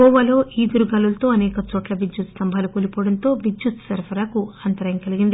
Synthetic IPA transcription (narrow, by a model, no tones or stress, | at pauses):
ɔːʋɐlo̞ːʔiːd̪uɾuɡɐlulɐt̪o̞ːɐnɛːkɐt͡ʃoːʈlɐʋid͡ʒut̪st̪ɐmbʱaːlukoːlipɔːɽɐnt̪o̞ːʋid͡ʒjut̪sɐɾpʰɐɾakuɐnt̪ɐɾɐŋkɐliɡind̪i